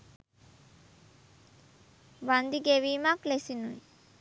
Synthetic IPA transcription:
band̪iɡeʋimaplesinuj

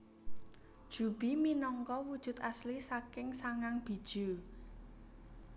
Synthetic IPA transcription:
d̥ʒ̥ṳb̥iminɔŋkɔwud̥ʒ̥ʊ̤t̪aslisakɪŋsaŋaŋb̥i̤d̥ʒ̥u

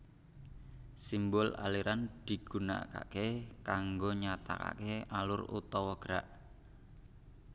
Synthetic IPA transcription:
simbʊla̰liɾand̪̥i̤ɡ̥una̰ka̰kekaŋɡoɲat̪a̰ka̰kealʊrṵt̪ɔwɔɡ̥ɾaʔ

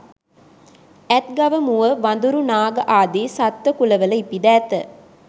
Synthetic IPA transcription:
ɛt̪̚ɡaʋəmuʋəʋand̪uɾunaːɡəʔaːd̪eːsat̪ʋəkuləʋələipid̪æːt̪ə

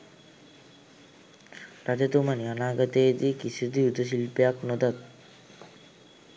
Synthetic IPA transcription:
ɾad͡ʑ̪et̪umanianaːɡat̪ed̪ikit͡ʃʰud̪iut̪oʃ̬ilpjaknod̪at̪

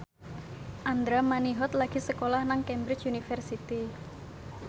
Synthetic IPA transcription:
ʔand̪ɾamaniɦɔt̪laɡ̥i̤səkolahnaŋkɛmbɾɪt͡ʃunifɛrsit̪i

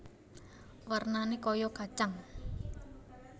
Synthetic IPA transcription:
wərnanekɔjɔɡ̥a̤t͡ʃaŋ

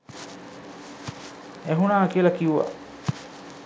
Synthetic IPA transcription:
æɦunaːkiəlɐkiuʋa̰ʔ

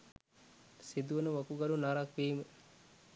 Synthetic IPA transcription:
sid̪uʋənəʋɐkuɡɐlunaɾakʋiːmə

